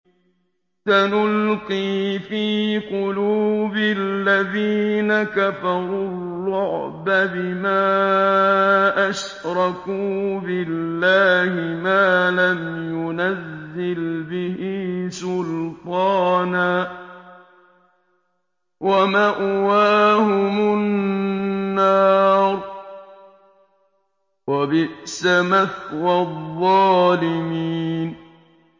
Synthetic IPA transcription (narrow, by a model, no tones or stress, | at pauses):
tanʊlqiːfiːqʊluːbɪlːaðiːnakafɑɾˤulːʊʕbabɪmaː | ʔaʃ | ɾˤɑkuːbɪlːaːhɪmaːlamjʊnazːɪlbɪhiːsʊlt̪ˤɑːnaː | wamaːʔʊwaːhʊmʊnː | ɑːɾ | wabɪʔsamaθwɑððˤːɑːlɪmiːiːn